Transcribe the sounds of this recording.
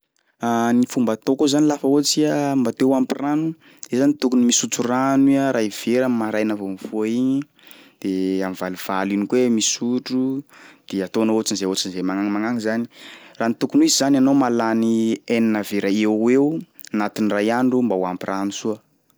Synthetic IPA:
anifumbat̪okozanilafaot͡siambat̪ewampiranu | ezanit̪ukunumisut͡suraniaɾaiv̥eɾamaɾajnavonivoiɲi | d̪̥eamivaliv̥alinikwemisuʈ͡ʂud̪̥eat̪oanoot͡ʃinzeot͡ʃinzemaŋaŋimaŋaŋizani̥ranit̪ukunizizananomalanieninaveɾaeew | anat̪inrajaɳɖ͡ʐumbawampirʔanusuə

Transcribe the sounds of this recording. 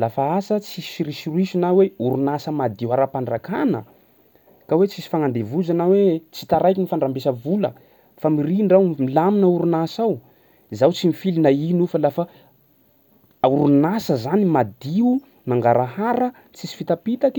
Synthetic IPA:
lafaasət͡sisiɾiʃiriʃunaweuɾunasəmad̪iwaɾapaɳɖ͡ʐakanə̰ | kawet͡sisi̥faŋand̪evuzanawet͡si̥t̪aɾajkʲinifaɳɖ͡ʐambesəvulə̰ | famiriɳɖ͡ʐawmilaminauɾunasaw | zawt͡simifilinainufəlafə | auɾunasəzanimad̪iu | maŋɡaɾaɦaɾə | t͡sisi̥fit̪apit̪aki̥

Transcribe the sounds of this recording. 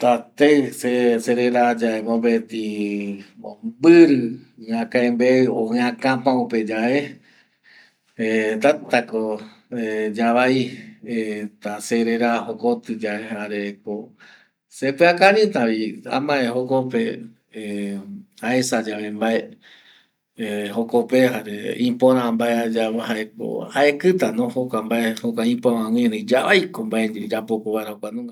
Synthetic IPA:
t̪at̪eseseɾeɾad͡ʒaemõmbet̪ĩ | ombɨɾɨãkãẽmbeɨoãkãpãuped͡ʒae | et̪at̪ako | ed͡ʒaʋaiet̪aseɾeɾahokot̪ɨd͡ʒaeaɾeko | sekeakaɾĩt̪ãβiã̰mãehokope̞ | aesad͡ʒaβembae | hokopeɦaɾeĩpõɾãmbaead͡ʒahaeko̰haekɨt̪anõhokʷambaehokʷaĩpoãw̃ĩɾɨ̃d͡ʒaβajkombaʔeɲd͡ʒid͡ʒapokoβaeɾaokʷanũŋɡa

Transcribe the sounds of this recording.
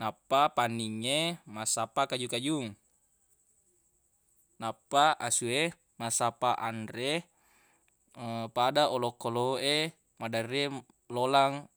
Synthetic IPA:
napːapanːiŋːemasapakad͡ʒukad͡ʒuŋ | napːaʔasue | masapaʔandɾe | padaʔolokːoloe | madare | lolaŋ

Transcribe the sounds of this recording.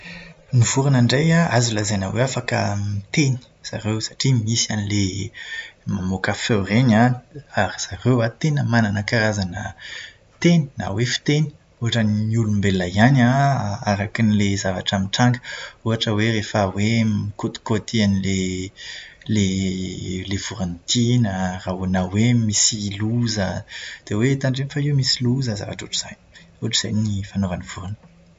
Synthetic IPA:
nivuɾunaɳɖ͡ʐejaazilazenə̰weafakə̰mit̪eni̥z̥a̰ɾewsḁʈ͡ʂimisianile | mamokafewreɲaaɾiz̥aɾewat̪enəmananəkaɾazanə | t̪eni̥na̰wefi̥t̪eni̥ | uɦaʈ͡ʂənniulumbelːajanaaɾakinilezava̰ʈ͡ʂamiʈ͡ʂaŋɡə̥uɦaʈ͡ʂəwerefəwemkot̪i̥kot̪ianile | le | lev̥uɾant̪inəraɦunawemisiluzəd̪̥ewet̪aɳɖ͡ʐenifaiwmisiluzəza̰vaʈ͡ʂuʈ͡ʂiz̥a̰jni̥ | uaʈ͡ʂi̥z̥ajnnifanovaniv̥uɾunə̥

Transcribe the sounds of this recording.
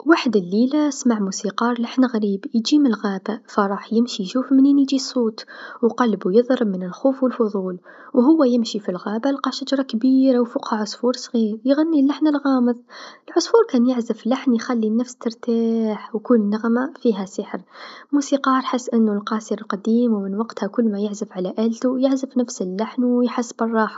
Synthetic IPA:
waħəd̪əlːilasmaʕmusiqɑɾˤlaħnɣæɾiːbjd͡ʒiməlɣæbafaɾˤɑːħjɪmʃiʃuːfməninid͡ʒisˤoːt̪wqɑlbujəðˤɾəbmənəlxuːfwəlfʊðˤuːl | wɦʊwːæjɪmʃifilɣæbalqɑʃad͡ʒɾˤɑkbiɾawfuqhaʕʊsˤfuːɾˤsˤɣiːɾjɣanːilaħnəlɣɑmɨðˤɪlʕʊsˤfuːɾkænjɪʕzɪbflaħnjxalːinafst̪ɪɾˤt̪aːħwkuːnnːaɣmafiːɦæsɪħəɾmuːsiqɑːɾˤħɪsːʔɪnːʊlqɑːsiɾlqɑd̪iːmwmɪnwɑqt̪hakʊlːmæjɪʕzɪfʕalaʔæːlt̪ujɪʕzɪfnæfsɪlːaħnwjħasːbɨrˤːɑːħ

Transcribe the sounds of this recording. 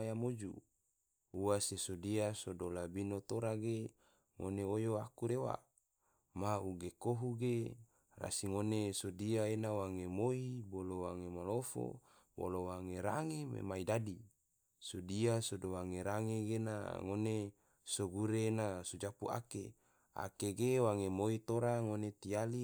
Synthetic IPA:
jamod͡ʒṵ | uwasesodiasodolabinot̪oɾaɡe | ŋoneojoakuɾewa̰ | mauɡekoɦuɡe | ra̰siŋonesodiaenawaŋemoibolowaŋemalofo̰ | bo̰lowaŋeɾaŋemḛmaidadi | sodiasodowaŋeɾaŋeɡena̰ŋone | soɡuɾeːnasud͡ʒapua̰kḛ | a̰keɡewaŋemoit̪oɾaŋonet̪iali

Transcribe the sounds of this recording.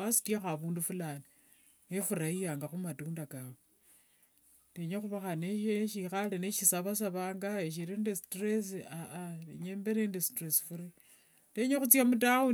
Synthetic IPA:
asi̥tjaxaβuːndufulani | nefuɾaijaŋɡaxumatuːndakawe | teɲexuβaxaneeʃixaleneʃisaβas̬aβaːŋɡaeʃ̬iɾindistres̬iaʔateɲeːmbeɾendistresi̥fuɾi | teɲexut͡sjamutau

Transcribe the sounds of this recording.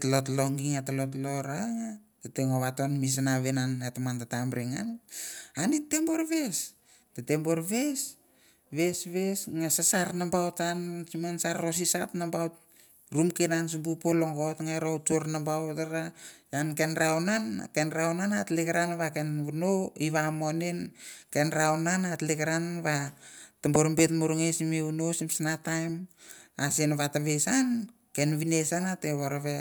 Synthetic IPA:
tlotloŋɡiŋatalot̬loɾaŋa | tateŋoβatonmis̬anaβenanatamantatambɾeŋananitemboɾes | tetembo̞ɾβes | βesβesŋasasarnambawtansimansaɾosisatnambawt̚ | ɾumkenans̬umbupoloŋɡotŋaɾotoɾnambawtaɾajankenɾawnan̰kenɾawnanatlekaɾanβakenunoiβamonenkenɾawnanatlekaɾanβatamboɾumbetmuɾuŋesimeunosimsanatajmasenaβataβesan | kenβinesanateβoɾaβe

